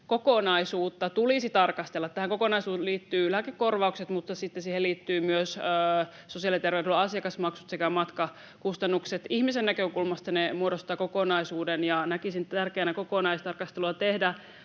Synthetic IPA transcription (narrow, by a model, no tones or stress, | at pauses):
kokonɑisuːt̪ːɑt̪ulisit̪ɑrkɑst̪elːɑt̪t̪ːæhæŋko̞konɑisuːliːt̪ːyːlæːkekːorʋɑukset̪mut̪ːɑsit̪ːesiːheliːt̪ːyːmyøsøː | sosiɑlit̪erʋewdylːɑsijɑkɑsmɑksut̪sekæmɑt̪kɑ | kust̪ɑnːukset̪ihmisenːækøkulmɑst̪ɑnemuodost̪ɑːkokonɑisuːdenjɑnækisintt̪ærkeːnæko̞konɑist̪ɑrkɑst̪eluɑt̪ehdæ